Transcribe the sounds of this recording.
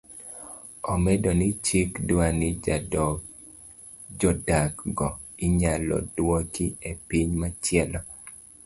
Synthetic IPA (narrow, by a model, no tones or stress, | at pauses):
ɔmɛdɔnɪt͡ʃikdwanɪ | d͡ʒɔdakɡɔ | ɪɲalɔ̰dwot͡ʃiepiɲmat͡ʃɪɛlɔ